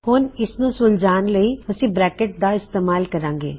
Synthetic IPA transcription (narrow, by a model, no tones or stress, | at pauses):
foːnɪsnũsʊld͡ʒaːnlɐiɐsĩbɾɛːkeʈ̚d̪aɪst̪eːmaːlkɐɾãːŋɡḛː